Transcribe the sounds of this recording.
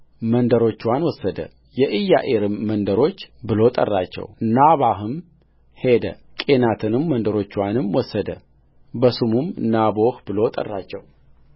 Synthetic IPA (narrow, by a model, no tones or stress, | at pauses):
mənd̪əɾo̞t͡ʃːwanwɔsːəd̪ə̰ | jɛʔɨjːa̰ʔeɾɨmːənd̪əɾo̞t͡ʃːbɨlo̞t̪ʼə̰rːat͡ʃːɛ̰wnaβahɨm | he̞d̪ə̰ | kʼe̞nat̪ʰɨnɨmːənd̪əɾo̞t͡ʃːwanɨmwɔsːəd̪ə̰ | bəsumumɨnabo̞hbɨlo̞t̪ʼə̰rːat͡ʃːɛw